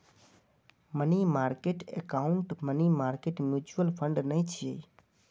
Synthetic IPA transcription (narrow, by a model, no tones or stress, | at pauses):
mənimaːɾkeʈḛkaʊɳʈmənimaːɾkeʈmjut͡ʃuʋəlfʰəɳɖnəĩt͡ʃʰie